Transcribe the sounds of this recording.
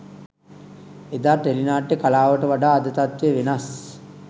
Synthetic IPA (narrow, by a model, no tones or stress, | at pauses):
ed̪aːʈelinaːʈːekalaːʋəʈəʋaɖaːd̪ət̪at̪ʋeəʋenas